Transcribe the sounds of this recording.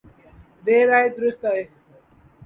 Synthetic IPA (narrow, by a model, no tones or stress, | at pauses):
d̪eːɾaːed̪ɾʊst̪ae